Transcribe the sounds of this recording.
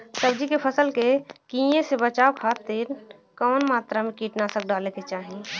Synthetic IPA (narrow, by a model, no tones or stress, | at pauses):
səbd͡ʒikepʰəsəlkekĩjẽsebət͡ʃaːwkʰaːt̪ɪɾ | kɔːnmaːt̪ɾamẽkiːʈnasək̚ɖaːleket͡ʃaːɦi